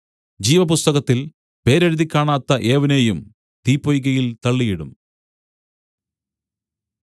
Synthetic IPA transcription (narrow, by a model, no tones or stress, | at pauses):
d͡ʑiːʋɐpust̪ɐɣɐt̪ːil | pe̞ːɾɐɾuðikʲːaːɳaːt̪ːɐʔeːʋɐnejum | t̪iːpːojɣɐjilt̪ɐɭːijiɽṵm